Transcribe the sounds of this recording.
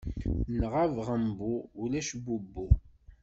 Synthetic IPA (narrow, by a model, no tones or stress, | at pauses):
nʁavʁəmbuulæʃbubːu